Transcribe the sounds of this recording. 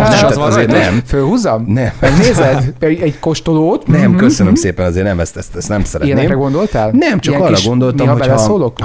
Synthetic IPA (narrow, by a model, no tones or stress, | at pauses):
ʃɒzeːnɛmfølhuzɒmnɛmmɛɡneːzɛd̪ɛɛɟko̞ʃt̪oloːt̪nɛmkøsønømseːpɛnɒzeːɾnɛmɛst̪ɛst̪ɛst̪nɛmsɛɾɛijɛnɛɾɛɡo̞nd̪o̞lt̪aːlnɛmt͡ʃɒjɛkŋɒrːɒɡo̞nd̪o̞ltmɔɦɒoɛllɛsoːlo̞k